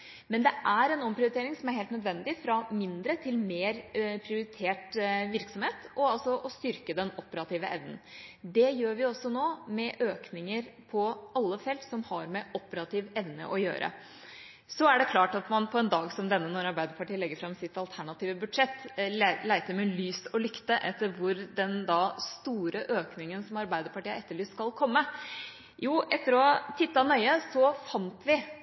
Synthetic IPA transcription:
mɛnd̪ɛʔæɾɛnɔmpʰɾɪʊɾɪt̪eːɾɪŋsɔmæɾheːlt̪nœd̪ʋɛnd̪ɪfɾɑmɪnd̪ɾət̪ʰɪlmeːɾpʰɾɪʊɾɪt̪ʰeːʈʋɪɾksɔmheːt̪ɔɑlsɔʔɔst̪ʏɾkəd̪ɛnɔpːəɾɑt̪iːʋəʔɛʋnənd̪ɛjøːɾʋɪɔsːɔnoːmɛʔøːknɪŋəɾpʰɔɑlːəfɛlt̪sɔmhɑɾmɛʔɔpəɾɑt̪ʰiːʋɛʋnə̰ʔɔjø̰ːɾʔə̰ | sɔæɖɛkʰlɑːʈɑt̪mɑnpʰɔɛnd̪ɑːɡsɔmd̪ɛnːənɔɾɑɾbæɪd̪əɾpɑʈiːəlɛɡːəɾfɾɑmsɪt̪ɑlt̪ʰæɳɑt̪iːʋəbʉd̪ʂɛt̪ːlæɪt̪əmɛlyːsɔlʏkt̪əʔɛt̪ːəɾʋʊɾd̪ɛnd̪ɑst̪uːɾʔəʔøːknɪŋənsɔmɑɾbæɪd̪əɾpɑʈiːəɛt̪ːəɭyːskɑlkʰɔmːə | juːʔɛt̪ːəɾɔt̪ʰɪt̪ːɑnœʏəsɔfɑnt̪ʰʋɪ

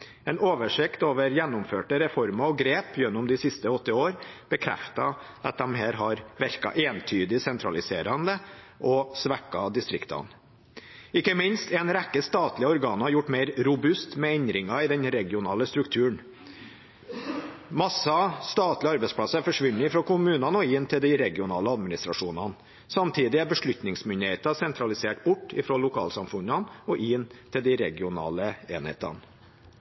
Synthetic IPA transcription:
ɛːnoːʋəʂɪkt̪oːʋəɾjɛnːʊmføːʈəɾɛfɔɾmɑɔɡɾeːpjɛnːʊmd̪ɪsɪst̪əɔt̪ːɪoːɾb̥əkʰɾɛ̰ft̪ɑ | ɑt̪̚d̪ɛmɦæːɾɦɑɾʋæɾkɑ̰ʔeːnt̪ʰyːd̪ɪsɛnt̪ʰɾɑ̰lɪseːɾɑnd̪ə | ʔɔsʋækːɑd̪ɪst̪ɾɪkt̪ɑ̰n | ɪkːəmɪnst̪ɛːnɾækːəst̪ɑːt̪lɪɔɾɡɑːnɑɾjʊʈːmeɪɾɾʊbʉst̪mɛɛɲd̪ɾɪŋɑɪd̪ɛnɾɛɡɪʊnɑːləst̪ɾʉkt̪ʰʉːəɳ | mɑsɑst̪ɑːt̪lɪəɑɾbɛɪspʰɽɑsəæɾfɔʂʋʉnːɪɪfɾɔːkʊmʉːnɑnɔɪnt̪ʰɪld̪ɪɾɛɡɪʊnɑːləɑd̪mɪnɪst̪ɾɑʂuːnɑn | sɑmt̪ʰiːd̪ɪæbəʂɭʉt̪nɪŋsmʏnd̪ɪheːt̪ɑsɛnt̪ʰɾɑlɪseːʈ̚bʊʈːɪ̰fɾoːlʊkʰɑ̰ːlsɑmfʉnɑnɔʔɪnt̪ʰɪld̪ɪɾɛɡɪʊnɑ̰ːləḛːnhḛːt̪ɑ̰n

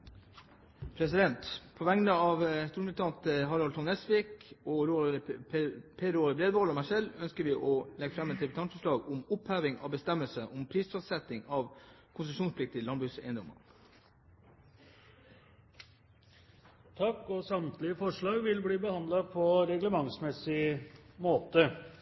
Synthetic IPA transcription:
pʰɾɛs̬ɪd̪ɛnt̪pʰoʋæŋnəɑʋst̪uːɾmɾɪt̪ʰɑnt̪əɦɑɾɑlt̪ʰɔnɛsʋɪkɔɾo | pʰeɾoːɾbɾeːd̪ʋolɔmæʂɛlœnskəɾʋɪːʔɔlɛɡəfɾɑmɛt̪̚d̪ɛbʉt̪ɑnfəʂɭɑːɡʊmʊphæːʋɪŋɑ̰ːʋbəst̪ɛməlsəʔɔmpʰɾiːsfɔst̪sɛt̪ɪŋɑʋkʰʊnsəʂuːnspʰlɪkt̪ɪɪlɑnbɾʉːsɛ̰ɪnd̪ɔmɑ̰ | t̪ʰɑkːɔsɑmt̪lɪəfɔʂɭɑːɡʋɪlbɽiːbəhɑnd̪lɑpʰɔɾɛɡləmɑŋsmɛsɪmoːt̪ə

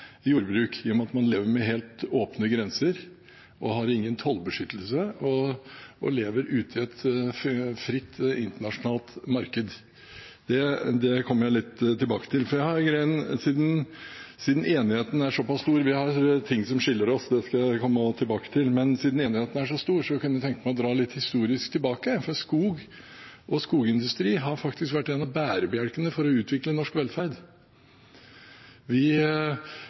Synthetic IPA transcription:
juːɾbɾʉːkʰɪɔmɑt̪mɑnleːʋəɾmɛɦeːlt̪oːpnəɡɾɛnsəɾ | ʔɔɦɑɾɪŋːənt̪ʰɔlbəʂʏt̪ːəlsəɔʔɔ̰leːʋəɾʉːt̪ʰɪɛt̪ | fɾɪt̪ːɪnt̪əɳɑʂʊnɑːlt̪mɑɾkəd̪ | d̪̥ɛd̪ɛkʰɔmːəɾæɪlɪt̪ːt̪ʰːɪlbɑːkə̥t̪ʰɪlfɔɾjæɪhɑɾɡɾæɪənsiːd̪n̩siːd̪n̩eːnɪheːt̪n̩æɾʂɔpɑsst̪uːɾʋɪhɑɾt̪ʰɪŋːsɔmʂɪlːəɾɔsd̪ɛskɑkʰɔmːət̪ʰɪlbɑːkə̥t̪ʰɪlmɛnsiːd̪n̩eːnɪheːt̪n̩æʂɔst̪uːɾsɔʋɪkʉnːət̪ʰɛŋkəmæɪɔd̪ɾɑːlɪt̪ːhɪst̪uːɾɪskt̪ʰɪlbɑːkəfɔɾɑt̪skuːɡ | ʔɔskuːɡɪnd̪ʉst̪ɾiːɦɑɾfɑkt̪ɪskʋæʈːeːnɑʋbæːɾəbəjæɽkənəfɔɾɔʉːt̪ʰʋɪklənɔʂkʋɛlːfæɾd̪ | ʋɪ

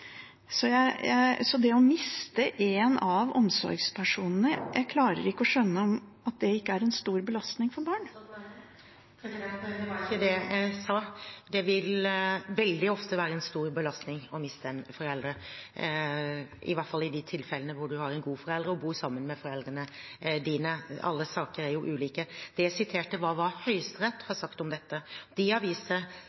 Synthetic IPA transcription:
sɔjæɪjæɪsɔd̪ɛɔmɪst̪əʔeːnɑʋɔ̰msɔ̰ɾɡspʰæʂuːnən̩əjʔæɪkʰlɑːɾə̰ɾɪkːəɔʂœnːəɔm | ɑt̪̚d̪ɛɪkːəæɾɛnst̪uːɾbəlɑst̪nɪŋfɔɾbɑːɳ | ɪəd̪ɛsɑːd̪ɛʋɪlʋɛld̪ɪɔft̪əʋæːɾəɛnst̪uːɾbəlɑst̪nɪŋɔmɪst̪ʰɛməfɔɾɛld̪ɾə | ɪ̰ʋɑʈfɑlːɪd̪ɪt̪ʰɪlfɛlənəʋʊɖʉhɑɾɛnɡuːfɔɾɛld̪ɾəɔbuːɾsɑmːənmɛfɔɾɛld̪ɾənəd̪iːnəɑ̰lːəsɑːkəɾæɾjʊʔʉːliːkəd̪̥ɛjæɪsɪt̪ʰeːʈːəʋɑːʋɑhœʏst̪ɾɛt̪ːhɑɾʂsɑkt̪ɔmd̪ɛt̪ːəd̪ɪɑʋiːsə

